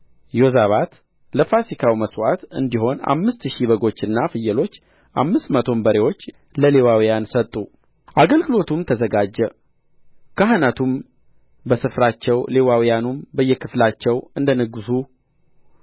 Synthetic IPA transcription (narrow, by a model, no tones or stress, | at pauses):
jozaβat̪ | ləfasikʰawiməswat̪ɨ̰nd̪iɦo̞na̰mːɨst̪ʃiβəɡo̞t͡ʃːɨnːafɨjːɛlo̞t͡ʃː | ʔa̰mːɨst̪mət̪ʰo̞nbəɾewo̞t͡ʃː | ləlewawijansət̪ʼːu | ʔaɡəlɡɨlo̞t̪ʰumt̪ʰəzəɡad͡ʒːɛ | kʰaɦanat̪ʰum | bəsɨfɾat͡ʃːɛwle̞wawijanumbəjːɛkʰɨflat͡ʃːɛwɨnd̪ənəɡɨsu